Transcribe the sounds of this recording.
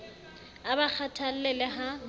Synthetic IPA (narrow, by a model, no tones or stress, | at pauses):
abak͡xʰatʰal̩lɛlɪɦa